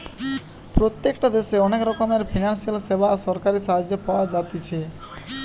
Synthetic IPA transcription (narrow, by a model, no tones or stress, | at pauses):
pɾot̪jekʈad̪eʃeɔnekɾɔkomeɾpʰinansialsebasɔɾkaɾisaɦad͡ʒːopawad͡ʒat̪it͡ʃʰe